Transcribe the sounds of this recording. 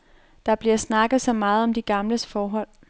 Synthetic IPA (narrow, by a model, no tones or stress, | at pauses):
d̥ɑ̈b̥liɐsnɑ̈ɡ̥ð̩ˠsɒ̽mɑ̈ːð̞̩ˠɒ̽md̥iɡ̥ɑ̈mləsfɒːɦɒ̽l̰